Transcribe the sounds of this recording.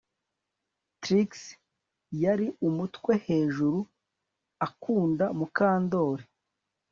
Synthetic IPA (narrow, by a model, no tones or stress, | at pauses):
tɾiks | jaɾiʔumutwe̞he̞ːʒuɾu | akuːndamukaːndo̞ːɾe